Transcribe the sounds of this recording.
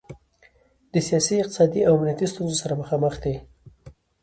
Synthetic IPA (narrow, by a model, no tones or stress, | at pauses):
d̪̥əsijɑsiɪq̚t̪ɪ̥sɑd̪iawamnijat̪ist̪unzosaɾaməxɑməxd̪e